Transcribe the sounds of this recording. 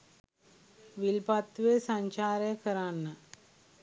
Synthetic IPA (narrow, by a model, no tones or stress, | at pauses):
ʋilpat̪ːʋesaɲt͡ʃaːɾəjəkəɾanːə